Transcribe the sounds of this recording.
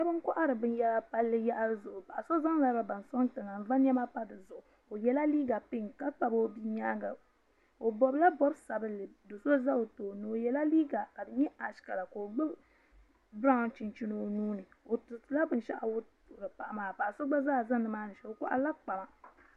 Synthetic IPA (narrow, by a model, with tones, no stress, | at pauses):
ɲɛ˦bɨ˦ŋ˦kɔ˦ʔa˦ɾɨ˨bɨ˦n˦jɛ˦la˦pa˦lːɨ˦ja˦ʔa˦ɾɨ˦zʊ˨ʔʊ˨pa˨ʔa˨so˦za˦ŋla˦ba˨˦ba˨n˨sɔ˦ntɨ˨ŋa˨m̩˨va˦n˦ɲɛ˦ma˦pa˦dɨ˨zʊ˨ʔʊ˨ | o˨jɛ˦la˦liː˦ɡa˨pɪ˦ŋka˦k͡pa˨bo˦bi˦ɲaː˦ɡa˨ | o˨bɔ˨bla˦bɔ˦bsa˨bɨ˦lɨ˨do˨so˦za˦o˨toː˨nɨ˨o˨jɛ˦la˦liː˦ɡa˨ka˨dɨ˨ɲɛ˦a˨ʃka˨la˨ka˨o˨ɡ͡bɨ˦ | bɾa˦ŋ˨t͡ʃi˨nt͡ʃi˦no˨nuː˦nɨ˨o˨tu˨tɨ˨˦la˦bɨ˦n˦ʃa̰˦ʔa̰˨wʊ˦tʊ˨ʔɾɨ˨pa˨ʔa˨maː˨pa˨ʔa˨so˦ɡ͡ba˦zaː˦˨za˦ŋnɨ˨maː˦nɨ˨ʃɛ˨o˨kɔ̰˦ʔa̰˦la˦k͡pa˨ma˨